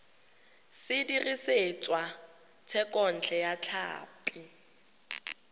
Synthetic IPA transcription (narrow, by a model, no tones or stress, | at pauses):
sɪdiriset͡sʼwa | t͡sʰɛkʼɔn̩t͡ɬʰɛjat͡ɬʰa̰ːpʼi